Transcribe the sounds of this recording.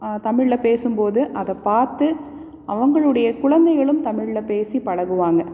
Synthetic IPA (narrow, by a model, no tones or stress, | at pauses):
t̪ɐmɪɻːɐpeːsɯmpoːðɯʔɐðɐpːaːɾt̪ɯ | ʔɐʋɐŋɡɐɭɯɽɐjɐkʊɻɐnd̪ɐɪɣɐɭɯmt̪ɐmɪɻɭɐpeːsipɐɻɐɣɯʋaːŋɡɐ